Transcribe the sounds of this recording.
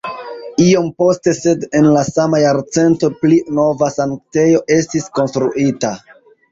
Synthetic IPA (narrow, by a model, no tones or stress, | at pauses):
io̞mpo̞ste̞se̞de̞nlasamajaɾt͡se̞nto̞plino̞vasaŋkte̞jo̞ʔe̞stisko̞nstɾuʔita